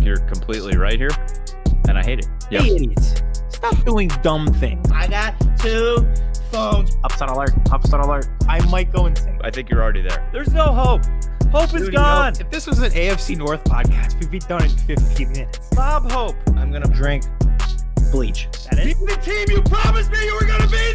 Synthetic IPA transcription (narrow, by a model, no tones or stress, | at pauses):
jə̰˞kʰm̩pʰl̥itˡlḭɹa̰ɪt̚hiɹ | ɨ̃naɪɦeɪɾɨt̚jæɪɪɾisstɑp̚d̥uɪ̃ŋdʌ̃mθɪ̰̃ŋza̰ɪɡɑtʰʉfõʊ̃nzʌpsaɪɾəlˠɑɹkʌpsaɪɾəlˠɑɹdaɪmaɪt̚ɡ̥oʊɨ̃nsɪ̃ŋka̰ɪθɪ̃ŋkjə˞l̩ˠɹɛɾiðə̰˞ðə˞znoʊɦoʊp̚hoʊpɨzɡɔ̃nɨfðɪswʌzɨ̃neɪɛfsinɔɹθpʰɑ̰d̚kʰæst̚wibidʌ̃nɨ̃nfɪftʰĩnmɪnɨtsb̥ɑb̚hoʊpãɪ̃mɡʌnɨdɹɪ̃ŋk | b̥lit͡ʃ | ðæɾɪiðɨtʰĩmjɨpʰɹ̥ɑmɨsmijɨwə˞ɡʌnɨbi